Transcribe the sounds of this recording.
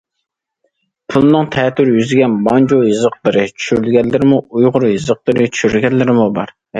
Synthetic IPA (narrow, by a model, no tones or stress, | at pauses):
pʰulˠnɨŋt̪ʰɛːt̪yɾjyzɪɡʲɛnbɑnd͡ʒojɨzəqlˠɨɾɨt͡ʃʰy̥ʃyɾylɡʲɛnlːɪɾɪmuujʁʊɾjɨzəq̚lˠəɾɨt͡ʃʰy̥ʃyɾlɡʲɛnlːɪɾɪmubɑ̰ɾ